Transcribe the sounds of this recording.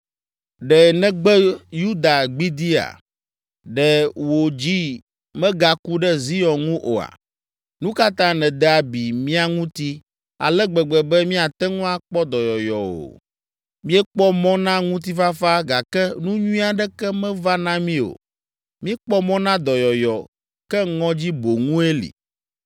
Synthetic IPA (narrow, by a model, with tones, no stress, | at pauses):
ɖɛ˨nɛ̃˦ɡ͡bɛ˦ju˦d̪a˨ɡ͡bi˦d̪i˦a̰˨ | ɖɛ˨wo˨d͡ʑi˦ | mɛ̃˦ɡa˨ku˦ɖɛ˦zi˦jɔ˨ŋũ˦ʔo˨a̰˨ | nũ˦ka˦t̪ã˦nɛ̃˨d̪ɛ˦a˨bi˨mĩ˦a˦ŋũ˦t̪i˦ | a̰˨lɛ˦ɡ͡bɛ˨ɡ͡bɛ˨bɛ˦mĩ˦a˨t̪ɛ˦ŋũ˦a˦k͡pɔ˦d̪ɔ˨jɔ˨jɔ˨o̰˨ | mĩ˦ɛ˦k͡pɔ˦mɔ̃˦nã˦ŋũ˦t̪̬i˦fa˦fa˦ɡa˨kɛ˦nũ˦ɲũ˦ĩ˦a˨ɖɛ˦kɛ˦mɛ̃˦va˦nã˦mĩ˦o̰˨ | mĩ˦ɛ˦k͡pɔ˦mɔ̃˦nã˦d̪ɔ˨jɔ˨jɔ˨ | kɛ˦ŋɔ̃˦d͡ʑi˦bo˨ŋũ˦e˦lḭ˨